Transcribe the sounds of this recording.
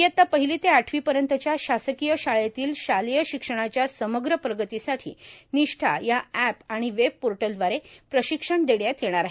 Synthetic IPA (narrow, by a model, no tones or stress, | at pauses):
jət̪ːapəɦilit̪eaʈʰʋiːpəɾjənt̪ət͡ɕjaɕasəkijəɕaɭjat̪iːlɕalijəɕikʂəɽ̃at͡ɕjasəməɡɾəpɾəɡət̪isaʈʰḭːniʂʈʰa̰jaɛpaɽ̃iʋeb̚poɾʈəld̪ʋaɾepɾəɕikʂəɳd̪eɽjat̪ʰjeɽ̃aɾaɦe